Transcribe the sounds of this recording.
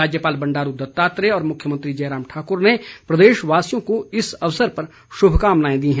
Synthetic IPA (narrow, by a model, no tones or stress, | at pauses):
aːd͡ʒjəpaːlbɐ̃ɳɖaːɾud̪ɐt̪ːaːt̪ɾeɔːɾmʊkʰjəmɐ̃nt̪ɾid͡ʒɛːɾaːmʈʰaːkʊɾnepɾɐd̪eːʃʋaːsijõkoɪsɐʋsəɾpɐɾ | ʃʊbʱkaːmnaːẽd̪iɦɛ̃